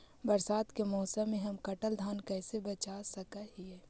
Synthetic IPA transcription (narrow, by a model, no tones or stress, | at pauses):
bɐɾsaːt̪kemɔːsəmːẽɦɐmkɐʈəld̪ʱaːnkɛːsebɐt͡ʃaːsɐkaɦiɛː